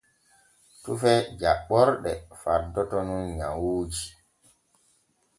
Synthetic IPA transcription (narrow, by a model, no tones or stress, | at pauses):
tufɛd͡ʒaɓːɔɾɗɛfaɾdɔtɔnunɲawuːd͡ʒi